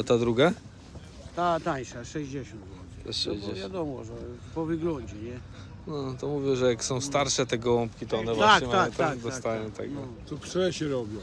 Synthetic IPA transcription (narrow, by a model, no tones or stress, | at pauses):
t̪ad̪ɾuɡa | t̪at̪ajʂaʂɛʑd͡ʑɛɕɔ̃nt̪ɔt̪ɛʂɛjd͡ʑɛvjad̪ɔmɔʐɛpɔvɨɡlɔɲd͡ʑɛɲɛ | nɔt̪ɔmuvʲjɛʐɛjaksɔ̃w̃st̪aɾʂɛt̪ɛɡɔwɔmpkʲit̪ɔɔnɛvwaaɛmat̪ad̪ɔst̪ajɔ̃w̃t̪ɛɡɡɔt̪ɔpʂɛɾɛɕɛɾɔbʲjɔ̃